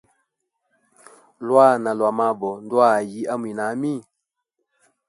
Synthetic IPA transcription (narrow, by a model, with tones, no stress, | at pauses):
lwa˦˨na˨lwa˨ma˦bɔ˨n˦dwa˦˨ji˦ʔa˦mwi˨na˨˦mi˦˨